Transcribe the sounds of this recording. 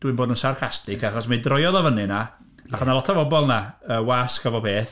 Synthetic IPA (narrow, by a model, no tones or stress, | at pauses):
d̥wɨnmboːdənsarχastɪkʰaχɔsmadrɔjɔðɔvənɨna | aχanalɔtʰavɔbɔlˠnaəːwaskavɔpʰeːθ